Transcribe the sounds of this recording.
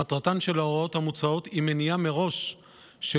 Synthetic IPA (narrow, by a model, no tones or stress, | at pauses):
at̪ʁat̪anʃe̞laoʁo̞t̪hamut͡sao̞t̪imenijameʁo̞ʃ | ʃe